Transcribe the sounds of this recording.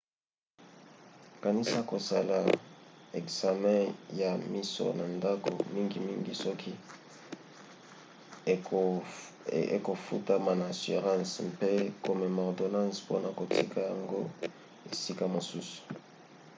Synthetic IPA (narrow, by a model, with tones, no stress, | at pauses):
ka˨ni˦sa˦ko˨sa˦la˨ɛ˨kza˨mɛ̃˦ja˨mi˦so̰˨na˨nda˦ko̰˨mi˦ŋɡi˨mi˦ŋɡi˦sɔ˦kʰi˦ | e˨ko˨fu˦ta˦ma˨naː˨si˨ʁã˦nspe˦ko˨me˨mɔ˨ʁdo˨nã˦spo˦na˨ko˨ti˦ka˦ja˨ŋɡo˦ | e˨si˦ka˦mo˨su˦su̥˨